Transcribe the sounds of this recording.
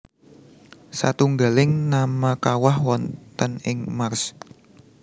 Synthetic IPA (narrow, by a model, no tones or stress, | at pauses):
sat̪uŋɡa̤lɪŋnamakawahwɔnt̪ənɪŋmars